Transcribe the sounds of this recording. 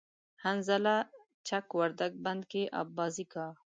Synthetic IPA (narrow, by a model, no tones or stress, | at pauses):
hanzala | t͡ʃʰakwaɾd̪aɡ̚band̪keʔa̰bːɑːzikɑ